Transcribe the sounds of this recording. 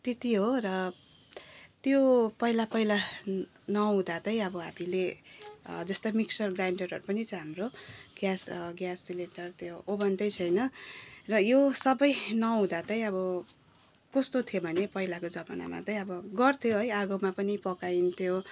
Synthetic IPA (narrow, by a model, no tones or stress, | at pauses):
t̪et̪iɦorʌ | t̪jopʌilapʌila | nʌɦũd̪at̪ʌj̃ʌbʌɦa̰mile | d͡zʌst̪omiksʌrɡraɳɖʌrɦʌ̰ɾupʌnit͡sʌɦamroɡ̥jasɡjasːilenʈʌrt̪ʰjoʔobʱʌnt̪ʌjt͡sʰʌjnʌrʌjosʌbʌjnʌɦũd̪at̪ʌj̃ʌbʌ | kʌst̪ot̪ʰjobʱʌnepʌilakod͡zʌbana̰ma̰t̪ʌj̃ʌbʌɡʌrt̪ʰjoɦʌjaɡomapʌnipʌkajint̪ʰjo